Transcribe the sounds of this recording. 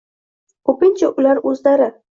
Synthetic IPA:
kʰɵpɪnt͡ʃʰaʔʊlaɾɵzlaɾɪ

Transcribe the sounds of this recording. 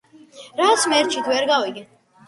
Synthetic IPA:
ɾat̪sʰmɛɾt͡ʃʰit̪ʰvɛɾɡaviɡɛ

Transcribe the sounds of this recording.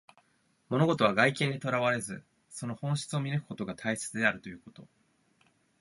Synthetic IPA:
mo̞no̞ɡo̞t̪o̞β̞aɡaikẽ̞nd̪ʲet̪o̞ɾaβaɾe̞zɨ | so̞no̞hõ̞ɰ̃ɕi̥t͡sɨo̞mʲiɾekɯ̟̥ko̞t̪o̞ɡat̪ʰaise̥t͡sɨd̪e̞aɾɯ̟t̪o̞jɯ̟ːko̞t̪o̞

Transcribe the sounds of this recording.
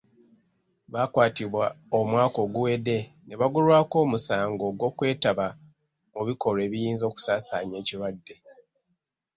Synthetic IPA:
βaːkwaːtiβwa | omwaːko̞ːɡuwe̞ːde̞ne̞βaɡulwaːko̞ːmusaːŋɡo̞ɡo̞ːkwe̞ːtaβa | muβiko̞ɾe̞ːβijiːnzo̞ːku̥saːsaːɲe̞ːciɾwadːe̞

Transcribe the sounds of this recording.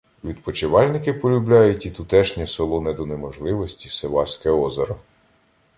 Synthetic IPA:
ʋʲid̪̚pɔt͡ʃɪʋɑlʲnɪkɪpɔlʲublʲɑjʊtʲit̪ʊt̪ɛʃnʲɛsɔlˠɔnɛd̪ɔnemɔʒlˠɪʋɔsʲtʲiseʋɑsʲkɛɔzɐɾɔ

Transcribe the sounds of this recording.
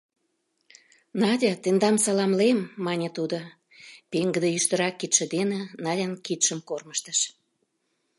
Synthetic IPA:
nɑdʲɑt̪end̪ɑmsɑlɑmlemːɑnʲet̪ud̪o | peŋɡə̆d̪ejyʃt̪əɾɑkːit̪ʃĕd̪enenɑlʲənkit̪ʃəmkorməʃt̪əʃ

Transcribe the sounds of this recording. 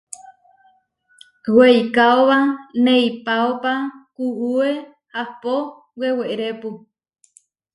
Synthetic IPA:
wejkaoβanejpaopakuʔue | hapo | weweʔɾepu

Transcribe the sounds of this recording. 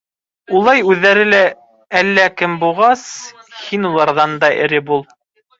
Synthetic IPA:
ulˠɑjʉðːæɾɘlæ | ælːækɘmbulˠʁɑshinulˠɑɾðɑnd̪ɑʔɘ̰̆ɾɘbulˠ

